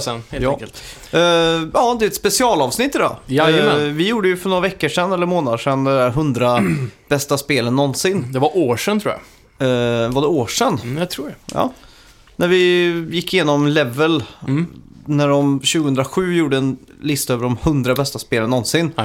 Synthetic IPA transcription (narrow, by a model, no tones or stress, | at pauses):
sɛnːjkəlt̪ː | ʔɑːd̪ɛɛt̪spɛsɪɑːlɑːvsnɪt̪ːɪd̪ɑ̰ː | vɪjuːɖəjɵfœɳoːɾavɛkːəʂɛnːɛlːəɾmoːnad̪əʂɛnd̪ɛdæɾɦɵnd̪ɾab̥ɛst̪aspeːlənːɔnːsɪnːd̪ɛvaʔoːʂɛnt̪ʰɾuːj̰ | vaɖɛoːʂɛnːt̪ʰɾuːɖɛjɑ̰ː | næɾvɪjɪkːɪjeːnɔmlɛvːəl | næɖɔmɕʉːɡəɵnd̪ɾaɧʉ̟ːjuːɖəɛn | lɪst̪øːvəɾɖɔmhɵnd̪ɾabɛst̪aspeːlənːɔnsɪnː